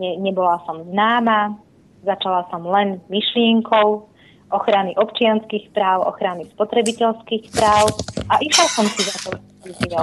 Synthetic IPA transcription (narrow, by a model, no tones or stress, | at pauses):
ɲɛɲɛbɔlasɔmznaːma | zat͡ʃalasɔmlɛnmiʃlɪɛŋkʰɔʊ | ʔɔxɾaniʔɔpt͡ʃɪanskiːxpɾaːʊʔɔ̰xɾanispɔt̪ɾɛbicɛlskiːxpɾaːʊʔaʔiʃlasɔmsizat̪ɔ | tiziɔ